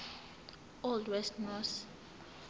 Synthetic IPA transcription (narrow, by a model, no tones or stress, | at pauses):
ɔldwɛstnɔs